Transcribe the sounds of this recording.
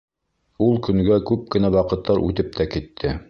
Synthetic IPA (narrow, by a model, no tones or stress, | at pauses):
ulˠkɵ̆ŋɡækʉp̚kɘ̆næwɑqɤ̆t̪ːɑɾʔʉ̰t̪ɘp̚t̪ækit̪ʰːɘ